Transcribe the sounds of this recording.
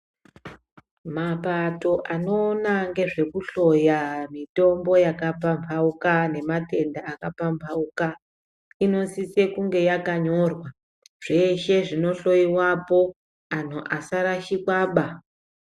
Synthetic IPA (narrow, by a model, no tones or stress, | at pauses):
mapato̞ʔano̞ːnaŋɡe̞ʐe̞kuɬo̞jamito̞mbo̞jakapampʰaukane̞mate̞ndaːkapambʰʱauka | ino̞sise̞kuŋɡe̞jakaɲo̞rwa | ʐ̥e̞ʃe̞ʐino̞ɬo̞iwapo | an̤uʔasaɾaʃikwaːɓa